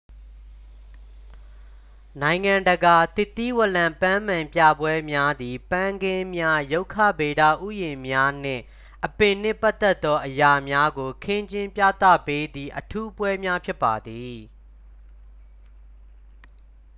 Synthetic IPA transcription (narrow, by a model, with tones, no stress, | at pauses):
nã˨ɪ̃ŋã˨ndəɡa˨t̪ɪ˦˨t̪ːi˦wə˨ʔlã˨mpã˦m̥ã˨mpjä̰˦˨bwɛ˦mja˦d̪i˨pã˦˨ŋɡɪ̃˦mja˦jo˦ʊkʰːä̰˦˨be˨da̰˦˨ʔu˦˨jɪ̃˨mja˦n̥ɪ̰̃˦˨ | ʔəpɪ̃˨n̥ɪ̰̃˦˨pa˦ʔt̪ːɛ˦˨t̪ːɔ˦ʔəja˨mja˦ɡo˨kʰɪ̃˦ɲd͡ʑɪ̃˦mpja̰˦˨t̪ä̰˦˨pe˦d̪ði˦˨ʔətʰu˦pwɛ˦mja˦pʰjɪ˦pːa˨d̪i˨